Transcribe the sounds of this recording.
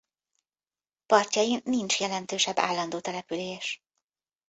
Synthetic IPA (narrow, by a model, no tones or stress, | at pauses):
pɒrcɒjimnint͡ʃjɛlɛnt̪øːʃɛbːa̰ːlːɒnd̪oːt̪ɛlɛpyleːʃ